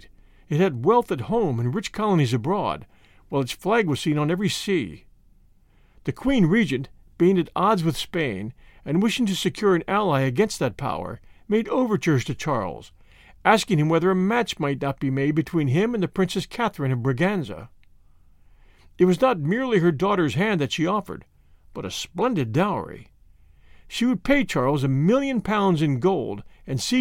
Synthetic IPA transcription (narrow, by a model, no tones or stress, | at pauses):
ɨt̚hɨd̚wɛlˠθɨt̚hõʊ̃mɨ̃nɹɪt͡ʃkʰɑlˠənizɨbɹɔ̰d̚ | waɪlˠɨtsflæɡwʌz̥sĩnə̃nɛvɹisi | ðɨkʰw̥ĩnɹid͡ʒɨ̃n | b̥ẽɪ̃ndɨɾɑdzwɨð̥spẽɪ̃nɨ̃nwɪʃɪ̃ŋtʰɨsɨkʰj̥ʊɹɨ̃nælˠaɪɨɡɛ̃nst̪̚ðɨt̚pʰa̰ʊə̰˞ | meɪɾoʊvə˞t͡ʃə˞z̥tʰɨt͡ʃʰɑɹl̩ˠz̥ | ʔæskɪ̃ŋɨ̃mwɛðə˞ɨmæt͡ʃmaɪtⁿnət̚b̥imeɪd̚bɨtʰw̥ĩnɪ̃mɨ̃nðɨpʰɹ̥ɪ̃nsɨskʰæθɹɨ̃nʌvbɹɨɡæ̃nzə̰ | ɨt̚wʌznət̚mɪɹlˠiɦə˞dɔɾə˞z̥ɦæ̃nðɨtʃiɔfə̰˞d̚ | b̥ʌɾɨ̰splɛ̃ndɨdaʊə̰˞ḭ | ʃiwɨd̚pʰeɪt͡ʃʰɑɹlˠzɨmɪlˠjɨ̃npʰãʊ̃ndzɨ̃nɡoʊlˠdɨ̃nsi